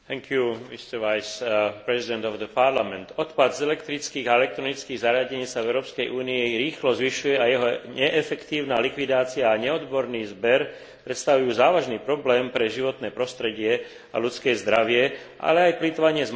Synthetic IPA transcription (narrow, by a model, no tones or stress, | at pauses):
t̪ɛŋkʰjumist̪ɛɾʋajspɾɛzid̪ɛnt̪ɔvd̪əpaɾlamɛnt̪ɔt̪pad̪zɛlɛkt̪ɾit͡skiːɣaɛlɛk̚t̪ɾɔnit͡skiːɣzaɾɪaɟɛɲiːsavɛʊɾɔːpskɛjʔuːniiɾiːxlɔzʋiʃujɛajɛɦɔɲɛʔɛfɛkt̪iːʊnaːlikʋid̪aːt͡siaːɲɛɔd̪bɔɾniːzbɛɾ | pɾɛt̪st̪aʋujuːzaːʋaʒniːpɾɔblɛːmpɾɛʒiʋɔt̪nɛːpɾɔst̪ɾɛɟɪɛ | a̰lutt͡skɛːzd̪ɾaʋɪɛ | ʔa̰lɛajplit̪ɔʋaɲɪɛz